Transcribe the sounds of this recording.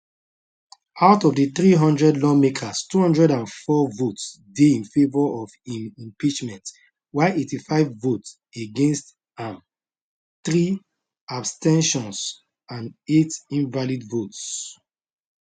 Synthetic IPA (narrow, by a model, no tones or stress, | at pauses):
aʊtɔvdəθɹiɦʌ̃ndɹɛdlɔmekʰastuhʌ̃ndɹɛdãnfɔvots | deĩnfevɔɔvĩnĩmpit͡ʃmɛ̃nt | waɪʔetifaɪvːots | eɡẽnst | ãm | θɹi | abstɛ̃nʃɔ̃ns | ãnetĩnvalidvots